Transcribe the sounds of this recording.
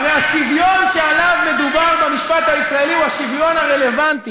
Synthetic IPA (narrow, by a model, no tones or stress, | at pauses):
veaʃivjo̞nʃealavme̞d̪ubaʁbamiʃpat̪haisʁae̞liuhaʃivjo̞naʁele̞vant̪i